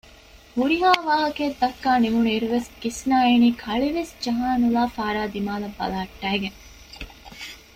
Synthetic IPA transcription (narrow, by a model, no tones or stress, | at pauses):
huɾiɦaːʋaːɦɐkeːd̪ːɐkːaːnimuneɾuʋeskisnaːeːniːkʰɐɭiʋesd͡ʒɐɦaːnulaːfaːɾaːd̪imaːlɐbːɐ̰laːɐʈːæːɡeŋ